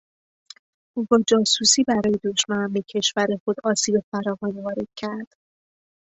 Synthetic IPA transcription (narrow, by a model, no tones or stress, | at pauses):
ʔuːɡɒːd͡ʒɒːsusiːbæɾɒːje̞d̪o̞ʃmænæmbe̞cʰe̞ʃvæɾe̞xo̞d̪ɒːsiːbe̞fæɾɒːvɒːnivɒːɾe̞d̪̥̚cʰæɾd̪̥